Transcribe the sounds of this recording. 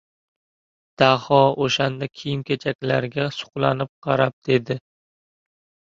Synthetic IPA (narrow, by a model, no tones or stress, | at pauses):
d̪̥ahɒoʃand̪akʲʰijɪmkʲʰet͡ʃʰakʲlaɾɡʲasʊ̥qlˠanɪp̚qʰɑɾap̚d̪e̞d̪ɪ